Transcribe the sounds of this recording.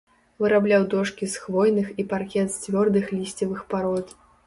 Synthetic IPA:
vɨɾablʲawd̪ɔʂkʲisxvɔjnɨxiparkʲɛt̪st͡sʲvʲɔrd̪ɨxlʲisʲt͡sʲɐvɨxpaɾɔt̪

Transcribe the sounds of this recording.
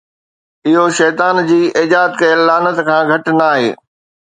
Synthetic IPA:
ɪɦoʃɛːt̪aːnd͡ʑiːʔɪd͡ʑaːd̪kɐelaːnət̪kʰãːɡʱɐʈnaːɦḛː

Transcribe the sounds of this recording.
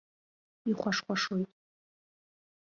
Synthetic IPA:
iχʷaʂχʷaʂojtʼ

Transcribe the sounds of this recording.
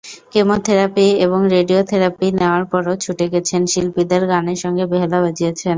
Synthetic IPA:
kemot̪ʰeɾapieβoŋɾeɖiot̪ʰeɾapineoaɾpɔɾot͡ɕʰuʈeɡɛt͡ɕʰenʃilpid̪aɾɡaneɾʃɔŋɡebeɦelabad͡ʑijet͡ɕʰen

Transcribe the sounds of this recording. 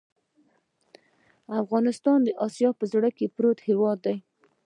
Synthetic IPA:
afɣɑnɪst̪ɑnd̪əʔɑsijɑpəzɽəkepɾot̪hewɑd̪ːaj

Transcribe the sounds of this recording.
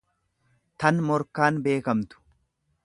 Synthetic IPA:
t̪ɐnmɔɾkaːnbe̞ːkɐmt̪ʊ̥

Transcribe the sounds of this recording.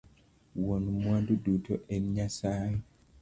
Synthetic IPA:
wɔnmwandudutʰɔʔɛɲasajɛ

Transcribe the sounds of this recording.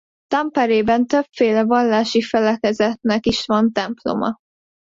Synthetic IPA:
t̪ɒmpɛɾeːbɛnt̪øbfeːlɛvɒlːaːʃifɛlɛkɛzɛt̪nɛkiʃvɒnt̪ɛmplo̰mɒ̰

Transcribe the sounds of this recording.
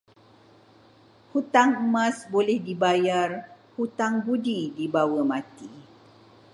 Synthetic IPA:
hut̪aŋəmãsbolɛhdibajar | hut̪aŋbudidibawəmãt̪i

